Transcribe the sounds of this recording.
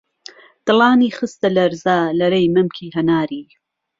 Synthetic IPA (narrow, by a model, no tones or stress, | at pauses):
d̪̥ɨlɑːniːχɨst̪ɐlɐɾzaːlɐɾejmɐmkʰiːɦɐnaːɾiː